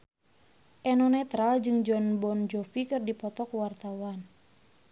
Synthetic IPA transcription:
ʔɛnɔnɛt̪ɾald͡ʒɨŋd͡ʒɔnbɔnd͡ʒɔfikɨrdipɔt̪ɔkwart̪awan

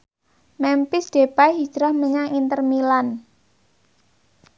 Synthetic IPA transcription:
mɛmpɪsɖ̥e̤pajɦi̥d͡ʒ̥ɾahməɲaŋint̪ərmilan

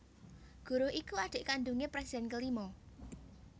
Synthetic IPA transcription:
ɡ̥ṳɾʊhʔikuaɖ̪̥e̤ʔkanɖ̪uŋepɾɛsi̥d̪ɛ̤nkəlimɔ

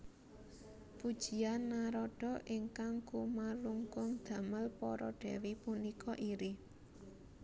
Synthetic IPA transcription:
pud̥ʒ̥i̤anːaɾɔɖ̥ɔ̤ʔiŋkaŋkumaluŋkʊŋd̪̥ä̤məlpɔɾɔɖ̥ɛ̤wipunikɔʔiɾi

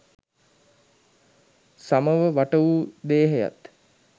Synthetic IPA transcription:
saməʋəʋaʈəʋud̪eːɦeja̰t̪

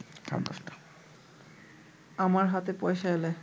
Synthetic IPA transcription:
ka̰bɔstḁ | amaɹɦatɛpɔjsajlɛ

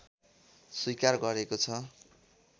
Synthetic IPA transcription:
swujkarɡʌɾekot͡sʰʌ

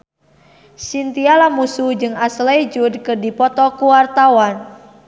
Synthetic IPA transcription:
sint̪ialamusud͡ʒɨŋaslejd͡ʒudkɨrdipɔt̪ɔkuwart̪awan

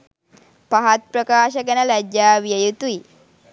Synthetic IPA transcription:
paɦat̪̚pɾəkaːʃəkənəlæd͡ʒjaːʋijəjut̪ui

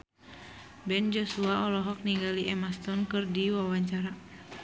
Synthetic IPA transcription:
bɛnd͡ʒɔsuaʔɔlɔɦɔk̚niɡaliʔɛmast̪ɔnkɨrdiwawaɲt͡ʃaɾa

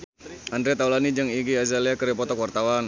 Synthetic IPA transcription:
and̪ɾɛt̪awlanid͡ʒəŋiɡiazaliakəɾɛpɔt̪ɔkwart̪awan

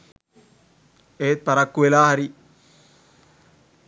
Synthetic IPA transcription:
eːt̪̚paɾakːuʋelaːɦaɾi

